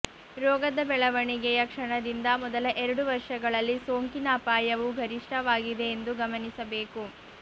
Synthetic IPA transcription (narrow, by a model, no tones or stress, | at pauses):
ɾɔːɡɐd̪ɐbɛɭɐʋɐɳiɡɛjɐkʂɐɳɐd̪ind̪ɐmɔd̪ɐlɐʔɛɾɐɽuʋɐɾʂɐɡɐɭɐlːisoːŋkinɐːpaːjɐʋuɡʱɐɾiʂʈʰɐʋaːɡid̪e̞ːnd̪uɡɐmɐnisɐbe̞ːku